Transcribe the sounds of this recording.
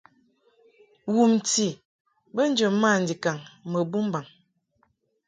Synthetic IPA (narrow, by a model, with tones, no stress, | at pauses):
wu˨mti˨ | bə˦n˦d͡ʒə˨ma˦˨n̩˨di˨ka˨ŋmə˨bu˦mba˨ŋ